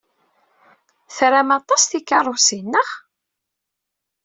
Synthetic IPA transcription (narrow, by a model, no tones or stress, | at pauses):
θɾæmɑt̪ˤɑsθikːɑrˤosinːəʁ